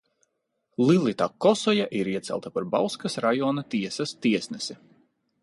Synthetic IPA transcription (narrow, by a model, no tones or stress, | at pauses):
lˠilˠit̪akɔsɔjaʔiɾiɛt̪sʲɛ̰lˠt̪apaɾbawskasɾajɔːnat̪iɛsɐst̪iɛsnɛsi